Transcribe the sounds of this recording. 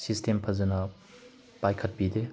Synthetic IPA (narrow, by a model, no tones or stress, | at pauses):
sistʰempʰɐzɐnɐ | pajkʰɐt̚pide